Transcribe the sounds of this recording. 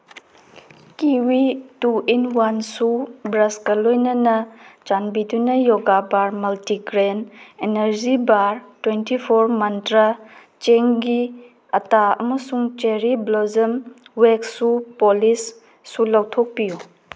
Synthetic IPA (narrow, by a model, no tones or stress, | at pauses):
kiwituinwansubɾɐskɐlojnɐnɐt͡ʃanbidunɐjoɡabaɾmɐltiɡɾeneneɾd͡ʒibaɾtwentipʰoɾmɐntɾa | t͡ʃeŋɡi | ɐtaɐ̰mɐsuŋt͡ʃeɾiblozɐmweksupolisː | ulawtʰok̚piju